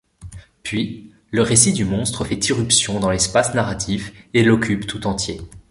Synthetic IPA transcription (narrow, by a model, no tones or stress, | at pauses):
pɥi | ləʁesid̪ymɔ̃st̪χəfɛt̪iʁypsjɔ̃d̪ɑ̃lɛspasnaʁat̪ʰifelɔkʲypt̪ut̪ɑ̃t̪je